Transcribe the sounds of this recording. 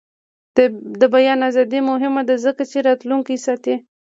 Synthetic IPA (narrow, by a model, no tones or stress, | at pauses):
d̪əbajɑnazɑd̪imʊɦɪmad̪azəkat͡ʃeɾɑt̪luŋkisɑt̪e